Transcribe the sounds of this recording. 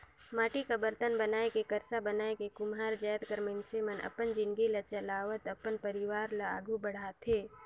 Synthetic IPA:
maːʈikabəɾt̪ənbɐnaːekekɐɾsabɐnaːekekʊmɦaːɾd͡ʒaːjt̪kəɾmənsemənʔɐ̰pənd͡ʒɪnɡilɐt͡ʃɐlaːʋət̪ɐpːənpəɾɪʋaːɾlaa̰ːɡubɐɽ̤aːt̪ʰeː

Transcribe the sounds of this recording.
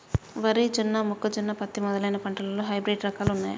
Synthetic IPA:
ʋɐɾid͡ʒinːɐmukːɐd͡ʒinːɐpɐt̪ːimɔd̪ɐlɐjnɐpɐɳʈɐlɐloːɦɐjbɾeːɖɾɐkaːlunːaːjɐ̰

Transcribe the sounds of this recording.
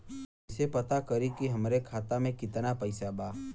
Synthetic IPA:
sepət̪akəɾikiɦɐmɾekʰaːt̪amẽkɪt̪napəɪsabaː

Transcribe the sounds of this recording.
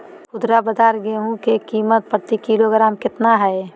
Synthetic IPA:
kʊd̪ɾabəd̪aːɾɡeɦũkekiːmət̪̚pɾət̪ikiloɡɾaːmkɪt̪naɦɛe

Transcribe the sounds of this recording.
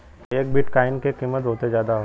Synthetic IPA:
eːk̚biʈkaːɪnkekiːmːət̪ɦoːt̪ezjaːd̪aɦo

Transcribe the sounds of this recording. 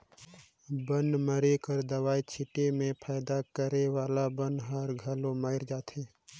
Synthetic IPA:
bənməɾekəɾd̪əwaːit͡ʃʰɪʈemẽpʰaːɪd̪akəɾewaːlabə̃nɦəɾɡʱɐlõmaːɪɾd͡ʒaːt̪ʰeː

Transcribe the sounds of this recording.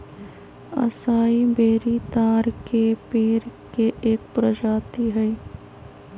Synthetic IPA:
ɐ̰saːibeːɾit̪aːɾkepeːɾkeʔeːk̚pɾɐd͡ʒaːt̪iɦɛi

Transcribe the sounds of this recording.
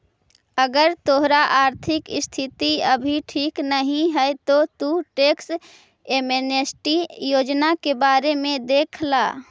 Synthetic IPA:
əɡəɾt̪oɦɾaʔaːɾt̪ʰɪkɪst̪ʰɪt̪iəbʱiʈʰiːknəɦĩɦɛɛt̪ot̪uʈeːks | eːmeːnesʈijoːd͡ʒnakebaːɾemẽd̪eːkʰla̰ː

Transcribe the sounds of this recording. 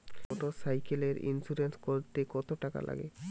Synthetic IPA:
ɔʈosajkeleɾḭnsuɾenskoɾt̪ekɔt̪oʈaka̰lʔa̰ɡḛ

